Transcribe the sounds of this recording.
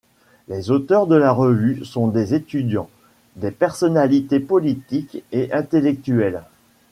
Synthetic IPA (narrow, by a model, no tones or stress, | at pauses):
lezot̪œʁd̪əlaʁəvysɔ̃d̪ezet̪yd̪jɑ̃ | d̪epɛʁsɔnalit̪epɔlit̪ikeʔɛ̃t̪elɛk̚t̪yɛl